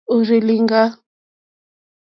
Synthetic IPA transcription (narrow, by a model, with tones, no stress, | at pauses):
u˨ɾi˨li˨ŋɡa˦